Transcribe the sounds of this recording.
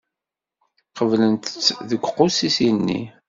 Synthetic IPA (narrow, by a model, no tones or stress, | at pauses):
qəvlənt̪ət͡sːðəɡʷqːʊsisinːḭ